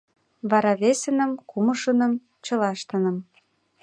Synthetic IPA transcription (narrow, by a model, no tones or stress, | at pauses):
βɑɾɑβesə̆nə̆mkumə̆ʃə̆nə̆m | t͡ɕɤ̆lɑʃt̪ə̆nə̆m